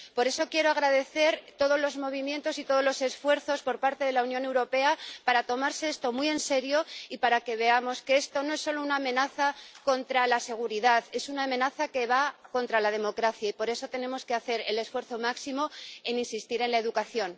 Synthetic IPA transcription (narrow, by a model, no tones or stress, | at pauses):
po̞ɾe̞so̞kje̞ɾoaɣɾaðe̞θe̞ɾt̪o̞ð̞o̞zlo̞zmo̞βimje̞nt̪o̞sit̪o̞ð̞olo̞se̞sfwe̞ɾθo̞spo̞ɾpaɾt̪e̞ðe̞launjo̞ne̞wɾo̞pe̞apaɾat̪o̞maɾseest̪o̞mie̞nse̞ɾjo̞ipaɾake̞βe̞amo̞skee̞st̪o̞no̞e̞sːo̞lo̞unaːmẽ̞naθako̞nt̪ɾalase̞ɣ̞uɾiðaðe̞sunaːmẽ̞naθake̞βako̞nt̪ɾalað̞e̞mo̞kɾaθjaipo̞ɾe̞so̞t̪e̞nẽ̞mo̞ske̞aθe̞ɾe̞le̞sfwe̞ɾθo̞maksimo̞e̞ninsist̪iɾe̞nlae̞ðukaθjo̞n